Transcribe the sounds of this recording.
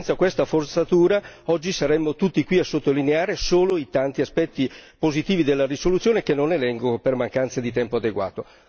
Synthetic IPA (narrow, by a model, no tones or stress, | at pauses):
nt̪sakwest̪afort̪sat̪uːɾaɔd͡ʒːisaɾɛmːot̪ut̪ːikwiasːot̪ːolineaːɾesoːloit̪ant̪iaspɛt̪ːipozit̪iːvid̪elːarisolut̪sjoːnek̟enːonelɛŋɡopermaŋkant̪sed̪it̪ɛmpoad̪eɡwa̰ːt̪o